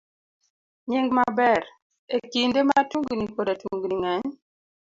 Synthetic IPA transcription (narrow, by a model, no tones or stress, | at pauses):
ɲiŋɡmabɛɾ | ekindematuŋɡnikodatuŋɡniŋɛɲ